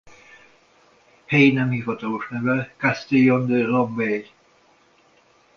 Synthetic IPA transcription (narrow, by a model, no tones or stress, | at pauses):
hɛjinɛmhivɒt̪ɒloʃnɛvɛkast̪ijond̪əlombel